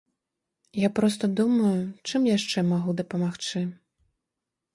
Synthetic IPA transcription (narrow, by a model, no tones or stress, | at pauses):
japɾɔst̪ɐd̪umɐjut͡ʂɨmjaʂt͡ʂɛmaɣud̪ɐpɐmaxt͡ʂɨ